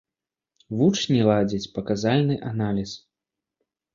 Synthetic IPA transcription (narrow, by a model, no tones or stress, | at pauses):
vut͡ʂnʲilˠad͡zʲit͡sʲpɐkazalʲnɨʔanalʲis